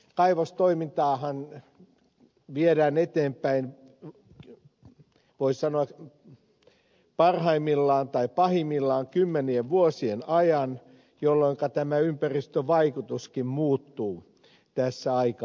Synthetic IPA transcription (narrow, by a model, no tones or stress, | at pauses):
kɑiʋost̪oimint̪ɑːhɑn | ʋieɾæːnet̪eːmpæin | ʋoissɑnoɑk | pɑrhɑimːilːɑːnt̪ɑipɑhimːilːɑːŋkymːenieʋʋuosienɑjɑn | jolːoiŋkɑt̪æmæympærist̪øʋɑikut̪uskimmuːt̪ːuː | t̪æsːæɑik